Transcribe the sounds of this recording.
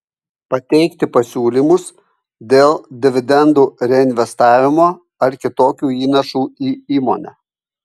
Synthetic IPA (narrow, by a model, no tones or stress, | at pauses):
pɐt̪ʲɛɪkt̪ʲɪpɐsʲuːlʲimʊs | d̪ʲeːlˠd̪ʲɪʋʲɪd̪ʲɛnd̪uːɾʲɛɪnʲʋʲɛst̪ɑːʋʲɪmoː | ɐɾkʲɪt̪oːkʲuːiːnɐʃuːiːiːmo̰ːnʲɛ̰